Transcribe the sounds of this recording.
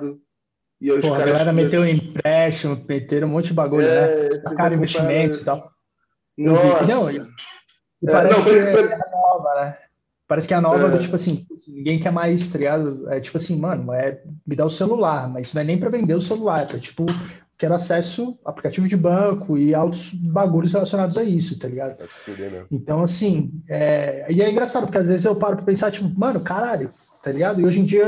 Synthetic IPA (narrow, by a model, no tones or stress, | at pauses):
d̪ʊ | ɪepohɐɡalɛɾɐmet̪eweĩpɾɛʃõw̃met̪eɾ̃ũmõnt͡ʃ̪ʊɪd͡ʒɪbaɡũɲʊnɛt̪akaɾʊ̃ĩvest͡ʃimmẽnt̪ʊzit̪aw | nɐ̃inɐ̃w̃ | ɪpaɾɛsɪkɛɐnɔvɐnɛ | paɾɛsɪ̥kɪɛɐnɔvɐɛd̪ʊt͡ʃi̥pʊasĩpusnĩɡẽj̃kɛɾmajzst̪ɾeɡad̪ʊɛt͡ʃi̥pʊasĩmɐ̃nʊ̃ɛmɪd̪aʊselulaɾmɐznɐ̃w̃ɛnẽj̃pɾɐvẽnd̪eʊselulaɾpɾkɛt͡ʃi̥pʊ | kɛɾasɛsʊa̰plikat͡ʃivʊd͡ʒɪbɐ̃kʊɪawt̪ʊzbaɡuʎʊs̬helasjõnad̪ʊzaisʊt̪aliɡad̪ʊ̰ | ẽt̪ɐ̃w̃asĩɛɪɛĩŋɡɾasad̪ʊpʊɾkeazvezɪzewpaɾʊpɾɐpẽsaɾt͡ʃipʊmɐ̃nʊkaɾaʎʊ | t̪aliɡad̪ʊɪoʒẽd͡ʒiɐ